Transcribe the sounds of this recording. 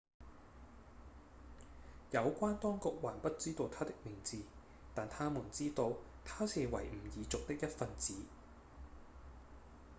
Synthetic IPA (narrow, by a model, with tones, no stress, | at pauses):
jɐ˨˧wkʷaː˥nt̪ɔː˥ŋkʊ˨k̚waː˨˩npɐ˥t̚t͡siː˥t̪o˧wt̪ʰaː˥t̪ɪ˥k̚mɪ˨˩ŋt͡siː˨˧ | t̪aː˨nt̪ʰaː˥muː˨˩nt͡siː˥t̪o˧w | t̪ʰaː˥siː˨˧wɐ˨˩jm̩˨˩jiː˨˧t͡sʊ˨k̚t̪ɪ˥k̚jɐ˥t̚fɐ˨nt͡siː˨˥